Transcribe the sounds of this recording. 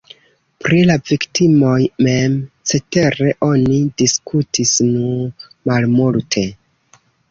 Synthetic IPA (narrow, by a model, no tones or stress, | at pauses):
pɾilaviktimo̞jme̞mt͡se̞te̞ɾe̞ʔo̞nidiskʰutʰisnu | malmultʰe̞